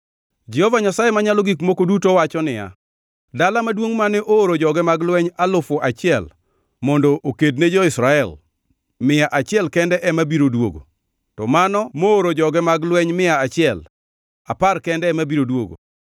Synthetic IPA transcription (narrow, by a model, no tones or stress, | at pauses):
d͡ʒɛhovaɲasajemaɲalɔɡikmokodutowat͡ʃɔnɪja̰ | dalamadwoŋmanɪʔoːɾod͡ʒɔɡɛmaɡlwɛɲalʊfʊʔat͡ʃɪɛl | mɔndoʔokedned͡ʒɔɪsɾaɛ̰l | mɪaʔat͡ʃɪɛlkɛndɛʔɛmabiɾodwo̰ɡo̰ | tɔmanɔmoːɾod͡ʒɔɡɛmaɡlwɛɲmɪjaat͡ʃɪɛl | aparkɛndɛɛmabiɾodwo̰ɡo̰